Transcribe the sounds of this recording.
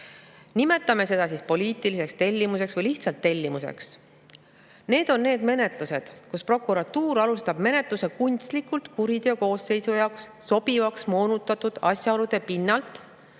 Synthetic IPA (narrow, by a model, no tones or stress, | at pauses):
nime̞t̪ːˑɑme̞se̞d̪̥ɑsiːspo̞liːt̪ˑilise̞kst̪e̞lʲːimuse̞ksvɤjliht̪sɑlt̪ːe̞lʲːimusḛks | ne̞ːd̪̥o̞nːe̞ːd̪me̞ne̞t̪luse̞d̪̥kuspro̞kːˑuɾɑt̪uːɾɑlust̪ɑb̥me̞ne̞t̪ˑluse̞kunʲt̪st̪likult̪kuɾid̪̥eoko̞ːsːe̞jsujɑoksːo̞b̥ivɑksmo̞ːnut̪ːˑɑt̪ud̪̥ɑsʲjɑolud̪̥e̞pinːɑlt̪ˑ